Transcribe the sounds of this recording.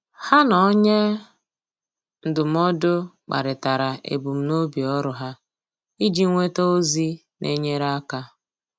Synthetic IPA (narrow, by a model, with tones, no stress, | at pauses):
ha˦nɔ˨˦ɲe˦ | n̩˨dʊ˨m̩˦ɔ˦dʊ˦k͡pa̰˨ɾɪ˨ta˨ɾa˨ʔḛ˨bu˨m̩˨no˦bi˨ɔ˦ɾʊ˨ɦa˦ | i˦d͡ʒi˦ŋʷe˦to˦o˦zi˦ | nʔḛ˦ɲe˦ɾa˦ka˦